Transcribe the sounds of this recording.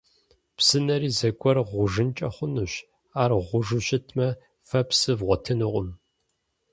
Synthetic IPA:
psɨnɐɾiːzɐkʷʼɔrʁʷʊʒɨnt͡ʃʼɐχʷʊnuɕ | aːrʁʷʊʒɨɕɪtʰmɐ | fɐpsɨvʁʷɔtʰɨnɨqʷʼʊm

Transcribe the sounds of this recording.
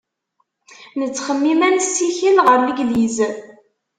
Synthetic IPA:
nət͡sːχəmːimænsiçəlʁəɾnəɡliz

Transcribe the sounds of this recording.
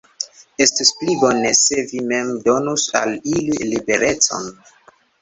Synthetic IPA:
e̞stisplibo̞nese̞vime̞mdo̞nusa̰lililibe̞ɾe̞t͡so̰n

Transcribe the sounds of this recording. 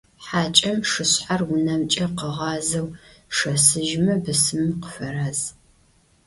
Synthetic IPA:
ħaːt͡ʃʼɐmʂɨɕħarwʊnɐmt͡ʃʼɐqəʁɑːzɐwʂɐsɨʒmɐbɨsɨmɨmqə̥fɐɾɐz

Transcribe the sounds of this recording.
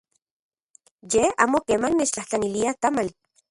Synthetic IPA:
jea̰ːmokeːmannet͡ʃt͡ɬaht͡ɬaniliat̪amali

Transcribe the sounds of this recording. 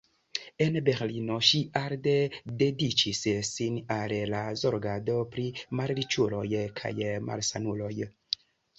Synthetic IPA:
e̞nbe̞ɾlino̞ʃiʔaɾde̞de̞dit͡ʃissinallazoɾɡado̞pɾimaɾɾit͡ʃulo̞jkʰa̰jmʔa̰lsanulo̞j

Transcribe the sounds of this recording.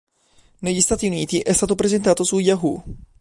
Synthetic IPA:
nɛjist̪at̪init̪iʔɛst̪at̪opɾɛzɛnt̪at̪osujaɦu

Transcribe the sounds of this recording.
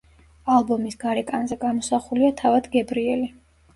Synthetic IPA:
alˠbɔmisɡaɾɛkʼanzɛɡamɔsaχuliat̪ʰavad̪ɡɛbɾiɛli

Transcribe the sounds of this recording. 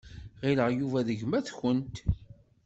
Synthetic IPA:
ʁiləʁjuvæðəʝmæθçənt̪

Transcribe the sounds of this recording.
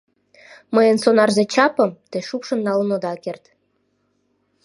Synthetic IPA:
məjənsonɑrzet͡ɕɑpə̆mt̪eʃupʃə̆nːɑlənod̪ɑkert̪

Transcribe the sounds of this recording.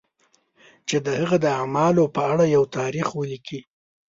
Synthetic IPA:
t͡ʃed̪əhaɣad̪əamɑlopəaɽajawt̪ɑɾixwəliki

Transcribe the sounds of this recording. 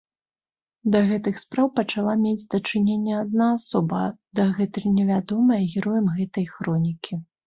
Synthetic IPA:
d̪ɐɣɛt̪ɨxspɾawpɐt͡ʂalˠamʲed͡zʲd̪ɐt͡ʂɨnʲenʲːɛad̪naːsɔbɐd̪ɐɣɛt̪ɐjnʲɛvʲad̪ɔmɐjɐɣʲiɾɔjɐmɣɛt̪ɐjxɾɔnʲikʲʰi

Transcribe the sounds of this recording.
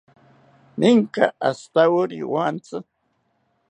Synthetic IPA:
mɪŋka̰ast̪awʊɾḭwant͡sa

